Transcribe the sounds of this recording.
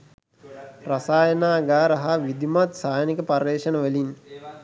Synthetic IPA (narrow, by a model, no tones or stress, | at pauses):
rasaːjənaːɡaːɾɐɦaʋid̪imat̪saːjənikəparːeːʃənəʋəlin